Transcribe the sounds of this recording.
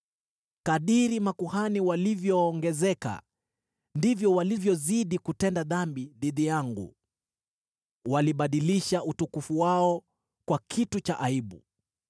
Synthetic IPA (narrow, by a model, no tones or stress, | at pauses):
kaɗiɾimakuhaniwalivjɔːŋɡɛzɛka̰ | ndivjɔwalivjɔziɗikutɛndaðambiðiðijaŋɡṵ | waliɓaɗiliʃautukufuwaɔ | kwakʰitut͡ʃaʔaiɓṵ